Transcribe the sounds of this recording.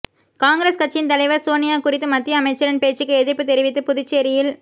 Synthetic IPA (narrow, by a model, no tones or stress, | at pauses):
kaːŋɡɾeːskɐt͡ʃːɪnt̪ɐlɐɪʋɐɾsoːnɪjaːkʊrɪt̪ːɯmɐt̪ːɪjɐːmɐɪt͡ʃːɐɾɪnpeːt͡ʃːɯkːɯɛðɪɾpːɯt̪ɛɾɪʋɪt̪ːɯpʊðɪt͡ʃːeːɾɪjɪl